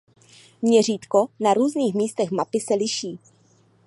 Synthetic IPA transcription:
mɲɛriːt̪konaɾuːzniːxmiːst̪ɛxmapɪsɛlɪʃiː

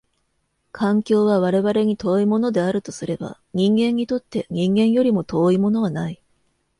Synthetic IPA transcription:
kʰãŋkʲo̞ːβaβaɾe̞βaɾe̞ɲ̟it̪o̞ːimo̞no̞d̪e̞aɾɯ̟t̪o̞sɨɾe̞ba̰ | ɲ̟ĩŋɡẽ̞ɲ̟ːit̪o̞t̪ːe̞ɲ̟ĩŋɡẽ̞ɰ̃jo̞ɾʲimo̞t̪o̞ːimo̞no̞β̞anai

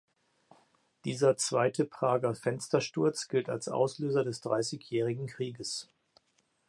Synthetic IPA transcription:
d̥iːzɐt͡sv̥aɪtʰəpʁ̥aːɡɐfɛnstɐʃtʊɐt͡sɡ̥ɪlta̰lsʔa̰ʊsløːzɐdɛsd̥ʁa̰ɪsɪçjɛːʁ̞ɪɡŋ̩kʁ̥iːɡəs

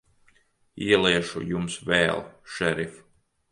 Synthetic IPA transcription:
iɛlˠiɛʃṵjumsvɛ̰ːlˠʃɛɾif

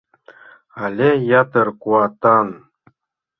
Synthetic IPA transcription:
ɑlʲejɑt̪ɤrkuɑt̪ɑn

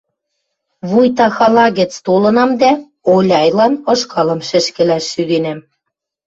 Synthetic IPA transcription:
βujt̪ɑxɑlɑɣɘ̆t͡st̪olɤ̆nɑmd̪æ | olʲɑjlɑnɤ̆ʃkɑlɤ̆mʃɘ̆ʃkɘ̆læʃːyd̪enæm

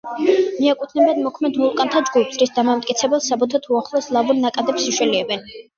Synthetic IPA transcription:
miakʼut̪ʰnɛbad̪mɔkʰmɛd̪mulˠkʼant̪ʰad͡ʒɡupʰz̥ɾisd̪amamt̪ʼkʼit̪sʰɛbɛlˠsabɔt̪ʰat̪ʰuaχlˠɔslˠavunnːakʼad̪ɛpsiʃwɛliɛbɛn

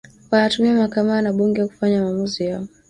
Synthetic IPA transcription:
wanatumiamakamanaɓuŋɡɛwaku̥faɲamamuzijaɔ

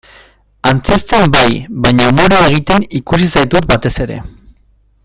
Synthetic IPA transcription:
ant͡se̞st̪e̞mbajβaɲaumo̞ɾeeɣ̞it̪e̞nikus̬isajt̪ut̪bat̪e̞se̞ɾe̞̰

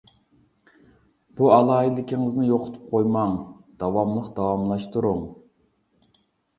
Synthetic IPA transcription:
b̥uɑlˠɑːilɪkʲʰɪŋɨznɪjoqʰʊ̥t̪ʰu̥p̚qʰojmɑŋ | d̪̥ɑwɑmlˠəqd̪̥ɑwɑmlˠɑʃt̪uɾuŋ

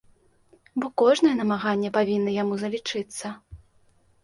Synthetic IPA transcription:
bɔkɔʐnɐjɛnɐmaɣanʲːɛpavʲinːɐjamuzɐlʲit͡ʂɨt̪sːɐ

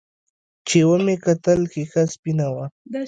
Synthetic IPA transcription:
t͡ʃɪwamɪkat̪alkɪxaspɪnawa

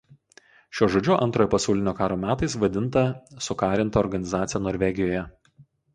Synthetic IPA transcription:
ʃʲoːʒoːd͡ʒʲʊʔɐ̰nt̪ɾoːjopɐsɑˑʊlʲɪnʲoːkɑːɾoːmʲæːt̪ɐɪsʋɐd̪ʲɪnt̪ɐsʊkɑːɾʲɪnˑt̪ɐɔɾɡɐnʲɪzɑːt̪sʲjɛnoːɾʲʋʲɛɡʲɪjoːjɛ

